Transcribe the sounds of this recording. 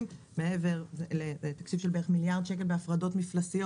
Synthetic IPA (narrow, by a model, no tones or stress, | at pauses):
m | me̞eve̞ʁeleet̪ḁkt͡ʃifʃelbeeχmiljaʁd̪ʃe̞k̬e̞lbeafʁado̞tmiflasijo